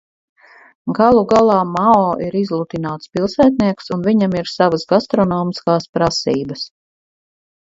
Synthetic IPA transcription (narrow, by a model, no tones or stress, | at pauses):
ɡalˠuɡalˠɑːmaɔːʔiɾizlˠut̪inaːt̪spilˠsæːt̪̚niɛksunviɲamiɾsavəsɡast̪ɾɔnɔːmiskaːspɾasiːbəs